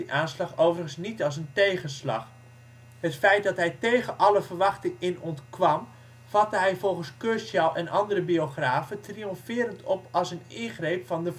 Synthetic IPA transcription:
əʔaːnslɑχowvərəχənsnitɑlˠs̬əntejχənslɑ̰χ | hətfɛjt̚dɑtɦɛjtejɣəʔɑləvərʋɑχtɪŋɪnɔntkʋɑm | v̥ɑtəɦɛjvɔlˠχənskøɹsalˠʔɛnɑndərəbioχraːvətriɔmfɪːɾəntʰɔpɑlˠsənɪnχrejpfɑndə

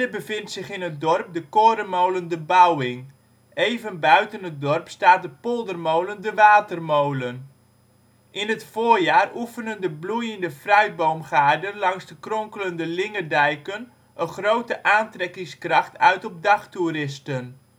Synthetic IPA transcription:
əbəvɪntsɪχɪnət̚dɔrp̚dəkoːɾəmowləndəbawɪŋ | ejvənbœɥtənət̚dɔrpstaːt̚dəpolˠdərmowləndəʋaːtərmowlən | ʔɪnətfoːrjaːrʔufənəndəblujəndəfrœɥ̚bowmχaːrdənlɑŋzdəkrɔŋkələndəlɪŋədɛjkən | ʔəχrowtəʔaːntrɛkɪŋskrɑχtʰœɥtɔp̚dɑχturɪstən

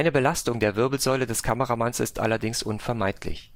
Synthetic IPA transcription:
ɪnəbəlastʊŋdeːɐvɪɐbl̩zɔʏlədɛskʰaməʁamansɪ̰stʔa̰lɐdɪŋsʔʊnfɛɐmaɪtʰlɪ̰ç

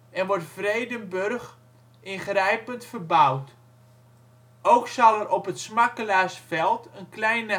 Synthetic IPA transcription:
ɛnʋɔɹtfrejdənbørx | ʔɪnχrɛjpəntfərbawt | owksɑlɛrʔɔpətsmakəlaːsfɛlˠtənklɛjnə

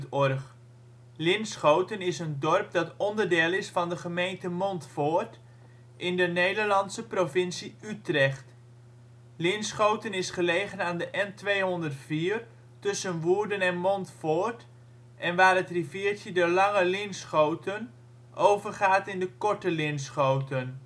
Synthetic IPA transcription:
tɔrχ | lɪnsχowtənɪsəndɔrp̚dɑtɔndərdeːlˠɪsfɑndəχəmejntəmɔntfoːrt | ʔɪndənejdərlɑnsəprofɪnsiytrɛχt | lɪnsχowtənɪsχəlejɣənaːndəʔɛntʋejɦɔndərtfiːr | tɵsənʋuːɹdənɛnmɔntfoːrt | ʔɛnʋaːrətriviːəɹtədoəlɑŋəlɪnsχowtən | ʔowvərχaːtɪndəkɔɹtəlɪnsχowtən

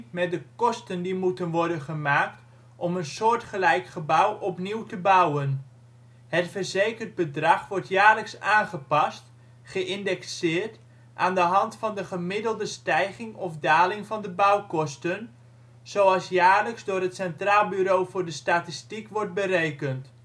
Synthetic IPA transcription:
mɛt̚dəkɔstəndimutənʋɔɹdənχəmaːkt | ʔɔmənsʊːɹtχəlɛjkχəbawʔɔpniwtəbawən | hətfərzejkərd̚bədrɑχʋɔɹtjaːɹləksaːnχəpɑst | χəʔɪndɛksɪːrt | ʔaːndəɦɑntfɑndəχəmɪdəlˠdəstɛjχɪŋɔfdaːlɪŋvɑndəbawkɔstən | z̥owɑlˠsjaːrləksdʊːrɦətsɛntraːlˠbyɾowvʊːɹdəstatistikʋɔrt̚bərejkənt

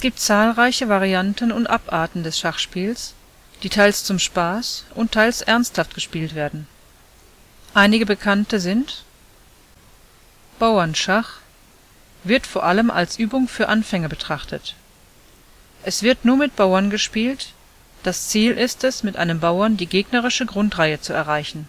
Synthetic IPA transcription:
ɛsɡ̥iːp̚tt͡saːlʁaɪçəvaʁiantənʊntʔapʔaːɐtn̩dɛsʃaχʃpiːls | d̥iːtʰaɪlst͡sʊmʃpaːsʔʊntʰːaɪlsʔɛɐnsthaftɡ̥əʃpiːltv̥eːɐdn̩ | ʔaɪnɪɡəbəkʰantəzɪnt | b̥aʊɐnʃaχ | v̥ɪɐtfoːɐʔaləmʔa̰lsʔyːbʊŋfyːɐʔanfɛŋəbətʁ̥aχtʰət | ʔɛsv̥ɪɐtnuːɐmɪt̚b̥aʊɐnɡəʃpiːlt | d̥ast͡siːlʔɪstɛsmɪtʔa̰ɪnəmbaʊɐndiːɡeːɡnəʁɪʃəɡʁʊntʁaɪət͡suɛɐʁaɪçn̩

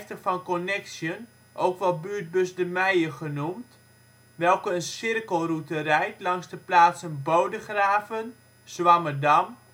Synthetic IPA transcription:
ftəfɑnkɔnɛksjən | ʔowkʋɔlbyːt̚bøsdəmɛjəχənumt | ʋɛlˠkəənsɪrkəlˠrutərɛjtlɑŋzdəplaːtsənbowdəχraːvən | sʋamədɑm

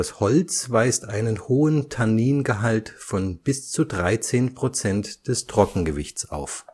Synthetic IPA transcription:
ashɔlt͡svaɪstʔaɪnənhoːəntʰaniːnɡəɦaltfɔnb̥ɪst͡sudʁaɪt͡seːnpʁ̥ot͡sɛntd̥ɛstʁ̥ɔkŋ̩ɡəvɪçtt͡sa̰ʊf

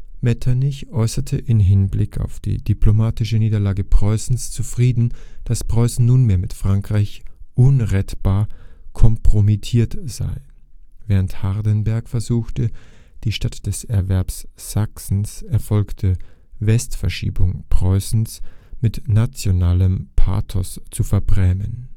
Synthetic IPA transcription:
mɛtʰanɪçʔɔʏsɐtʰəʔɪmɦɪnblɪkʰa̰ʊfd̥ḭːdiplomaːtɪʃəniːdɐlaːɡəpʁ̥ɔʏsn̩st͡sufʁ̥iːdn̩d̥aspʁ̥ɔʏsn̩nuːnmeːɐmɪtfʁ̥aŋkʁ̥aɪçʔʊnʁɛtb̥aːɐkʰɔmpʁ̥omitʰiːɐtz̥a̰ɪ | vɛːʁənthaɐdənbɛɐkfɛɐzuːxtə | d̥iːʃtatd̥ɛsɛɐvɛɐpsz̥aksn̩sɛɐfɔlktʰəvɛstfɛɐʃḭːbʊŋpʁ̥ɔʏsn̩smɪtnat͡sjonaːləmpʰa̰ːtʰɔ̰st͡sufɛɐbʁɛmən

